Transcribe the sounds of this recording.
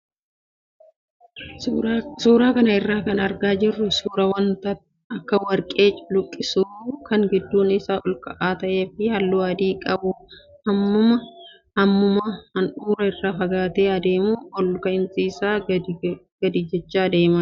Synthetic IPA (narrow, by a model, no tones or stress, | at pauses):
suːɾaːkɐnɐɪrːaːkɐnɐɾɡaːd͡ʒɪrːʊsuːɾɐwɐnt̪ɐt | ɐkːɐwɐɾkʼe̞ːt͡ʃʼʊ̥lʊkʼːɪsuːkɐŋɡɪd̪ːuːnɪsaːʔɔlkʼɐʔaːt̪ɐʔe̞ːfɪjɐlːuːɐd̪iːkʼɐbʊ | hɐmːʊmɐ | hɐmːʊmɐhɐnuːɾɐɪrːaːfɐɡaːt̪eːɐd̪e̞ːmuːɔlkɐɪnsiːsaː | ɡ̥ɐd̪iːd͡ʒɛt͡ʃːaːd̪e̞ːmɐ